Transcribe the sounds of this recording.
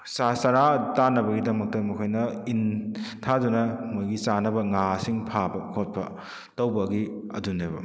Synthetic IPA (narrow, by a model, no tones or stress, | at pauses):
sasaɾatanːɐbɐɡidɐmɐk̚tɐmɐkʰojnɐintʰadunɐmojɡisanɐbɐŋasiŋpʰabɐkʰot̚pɐ | tɐwbɐɡiɐ̰dunebɐ̰